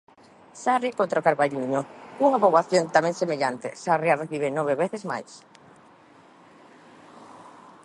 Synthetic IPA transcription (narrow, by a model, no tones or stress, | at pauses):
sarjakõnt̪ɾaokaɾβajʎiɲouŋaβoβaθjont̪amẽŋsemeʎant̪ḛsarjareβiβenɔβeβeθezma̰js